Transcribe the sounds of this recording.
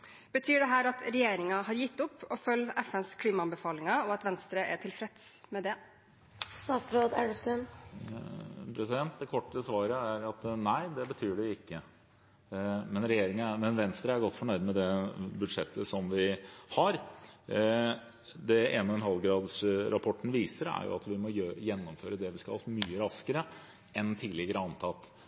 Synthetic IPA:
b̥ət̪ʰyːɖɛɦæːɾɑt̪ɾɛjeːɾɪŋɑɦɑɾjɪt̪ːʊpːɔfœlːɛfɛnskʰliːmɑɑnbəfɑːlɪŋɑɔɑt̪ʋɛnst̪ɾəʔæʈʰɪlfɾɛt̪smɛd̪ɛ | st̪ɑːt̪sɾoːd̪æɖst̪ʉn | pʰɾɛsɪd̪ɛnt̪̚d̪ɛkʰɔʈːəsʋɑːɾəæɾɑt̪næɪd̪ɛbət̪ʰyːɖɛɪkːə | mɛnɾɛjeːɾɪŋənmɛnʋɛnst̪ɾəæɾɡɔt̪ːfɔɳœɾd̪mɛd̪ɛbʉd̪ʂɛ̰t̪ʰːəsɔmʋɪhɑɾ | d̪ɛeːnəɛnɦɑlɡɾɑːd̪sɾʔɑpʰɔʈːn̩ʋiːsəɾæ̰ɾjʊ̰ɑ̰t̪ʋɪmɔjjɛnːɔmføːɾəd̪ɛʋɪskɑ̰ɑmyːəɾɑskəɾə | ɛnt̪ʰiːlɪɡəɾəɑnt̪ʰɑt̪ː

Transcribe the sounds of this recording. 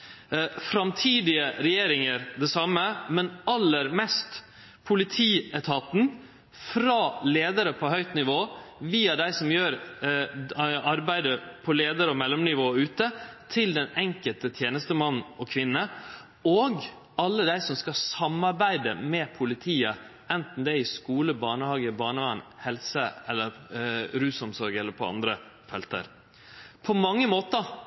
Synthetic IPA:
fɾɑmt̪ʰiːd̪ɪəɾɛjeːɾɪŋəɾd̪ɛsɑmːəmɛnɑlːəɾmɛst̪ | pʰʊlɪt̪ʰiːɛt̪ʰɑt̪n̩ | fɾɑleːd̪əɾəpʰɔɦœʏt̪nɪʋoːʋiːɑd̪æɪsɔmjøːɾ | ɑɾbæɪd̪əpʰɔleːd̪əɾəɔmɛlːɔmnɪʋoːʉːt̪ət̪ʰɪld̪ɛnɛŋkəlt̪ət̪ʰjeːnəst̪əmɑnːɔkʰʋɪnːə | oɡ | ɑlːəd̪æɪsɔmskɑsɑmɑɾbæɪd̪əmɛpʰʊlɪt̪ʰiːə | ɛnt̪n̩d̪ɛɾɪskuːləbɑːɳəhɑːɡəbɑːɳəʋɑnːhɛlsəɛlːəɾɾʉːsɔmsɔɾɡəɛlːəɾpʰɔɑ̰nd̪ɾə | fɛlt̪ə̰ɾ | pʰɔmɑŋːəmoːt̪ə

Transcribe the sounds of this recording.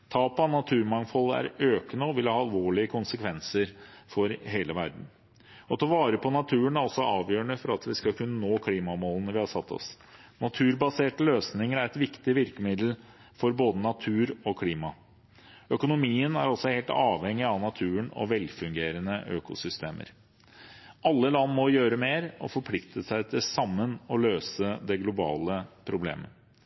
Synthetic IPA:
t̪ʰɑːpɑnɑt̪ʰʉːɾmɑŋfɔlːəæ̰ɾøːkənəɔʋɪlhɑɾɑlʋoːɭɪəkʰʊnsəkʰʋɛnsəɾfɔɾɦeːləʋæɾɖ̪n̩ | ɔt̪ʰɑʋɑːɾəpʰɔnɑt̪ʰʉːənæɾɔsɔɑːʋjøːəɳəfɔɾɑt̪ʋɪskɑkʰʉnːənoːkʰliːmɑmoːlənəʋɪhɑsɑt̪ʰːɔ̰s | nɑt̪ʰʉːɾbɑseːʈəløːsnɪŋəɾæɾɛt̪ʋɪkt̪ɪʋɪɾkəmɪd̪l̩ | fɔɾboːd̪ənɑt̪ʰʉːɾɔkʰliːmɑ | œkʊnʊmiːənæ̰ɾɔsɔheːlt̪ɑːʋhɛŋːɪɑʋnɑt̪ʰʉːəɳɔ̰ʋɛlfʉŋɡeːɾənəʔø̰ːkʊ̰sʏst̪ḛːmʔə̰ɾ | ʔɑlːəlɑnːmɔjøːɾəmeːɾɔ̰fɔɾpʰlɪkt̪əsæɪt̪ʰɪsɑmːənɔløːsəd̪ɛɡlʊbɑ̰ːləpʰɾʊblḛːmə̰

